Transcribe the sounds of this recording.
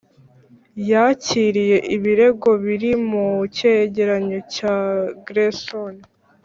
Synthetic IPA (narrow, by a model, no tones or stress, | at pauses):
jaciːɾije̞ʔiβiɾe̞ɡo̞βiɾimuceɟe̞ɾaɲocaɡɾeson